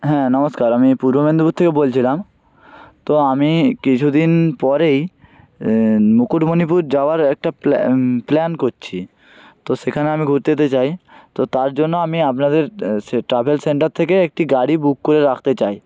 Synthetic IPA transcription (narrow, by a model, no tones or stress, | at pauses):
ɦɛ̃nɔmoskaɾamipuɾbomend̪ubut̪̚t̪ʰːekebolt͡ɕʰilam | t̪oamikit͡ɕʰud̪inpɔɾej | mukuʈmonipuɾd͡ʑaoaɾɛk̚ʈapplɛnkoɾt͡ɕʰi | t̪oʃekʰaneamiɡʱuɾt̪eet̪et͡ɕajt̪ot̪aɾd͡ʑonːoamiapnad̪eɾʈɾabʱelseɳʈaɾt̪ʰekeek̚ʈiɡaɽibukːoɾeɾakʰt̪et͡ɕaj